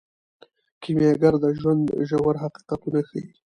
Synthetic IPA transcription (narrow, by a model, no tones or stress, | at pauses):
kimjaɡaɾd̪əʒwand̪ʒawaɾɦaqi̥qɑt̪unaxa̰ji